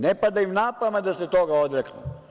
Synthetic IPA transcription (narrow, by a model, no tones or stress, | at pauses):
nepad̪aimnapamad̪aset̪oɡaod̪ɾeknṵ